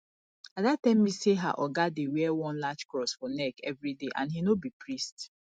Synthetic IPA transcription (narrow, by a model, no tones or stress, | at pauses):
adatãmːiseɦa̰ʔɔɡadewɛɛwɔ̃nlad͡ʒkɹɔsfɔnɛkɛvɹideʔã̰nhinobipɹist